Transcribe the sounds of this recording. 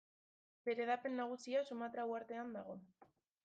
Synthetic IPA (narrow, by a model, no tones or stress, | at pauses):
be̞ɾe̞ðape̞nːaɣ̞usiasumat̪ɾawaɾt̪e̞and̪aɣ̞o̞